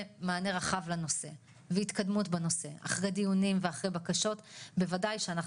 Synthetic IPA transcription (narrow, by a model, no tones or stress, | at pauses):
maːne̞ʁaχavlano̞se̞ | veit̪kadmutbano̞se̞a̰χʁejd̪ijunimveaχʁejbakaʃo̞tbe̞vadajʃeanaχ